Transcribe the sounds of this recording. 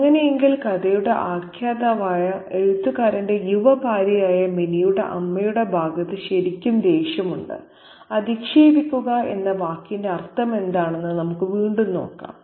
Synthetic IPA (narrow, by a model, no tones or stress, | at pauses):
ɐŋːɐne̞jeŋɡilkɐd̪ɐjuɽe̞ʔaːkʰjaːd̪ɐʋaːjɐeɻut̪ːukaːɾɐnde̞juʋɐbʱaːɾijaːjɐminijuɽe̞̰ʔɐmːɐjuɽe̞bʱaːɡɐðɨɕɐɾikʲːumd̪e̞ːɕjɐmuɳɖɨ̰ | ɐd̪ikʂeːbikʲːuɣɐe̞̰nːɐʋaːkːinde̞ɐrt̪ʰːɐme̞nd̪aːɳe̞nːɨnɐmukːɨʋiːɳɖunːo̞̰ːkːa̰ːm